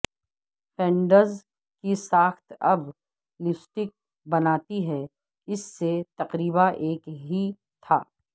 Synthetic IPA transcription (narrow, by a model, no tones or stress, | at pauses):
fʰɛ̃ːɳɖəɾz | kisaːxt̪ʰɐb | lɪsʈɪk̚ | bɐnaːt̪iɦɛ | ɪsːet̪ɐqɾiːbaʔeːkɦi | t̪ʰa̰ː